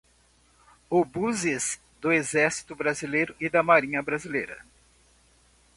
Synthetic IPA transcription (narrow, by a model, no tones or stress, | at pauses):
ʊbuzɪs | d̪ʊezɛɾsi̥t̪ʊbɾazilejɾʊʔɪd̪ɐmaɾĩɲɐbɾazilejɾɐ̰